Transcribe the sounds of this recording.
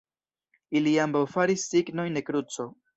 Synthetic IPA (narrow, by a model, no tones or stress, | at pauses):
iliambawfaɾisːiɡno̞jnde̞kɾut͡so̞